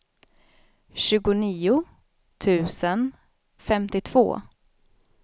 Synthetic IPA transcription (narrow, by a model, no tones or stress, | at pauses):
ɕʉ̟ːɡʊniːʊ | t̪ʰʉ̟ːsən | fɛmt̪ɪt̪ʰv̥o̰ː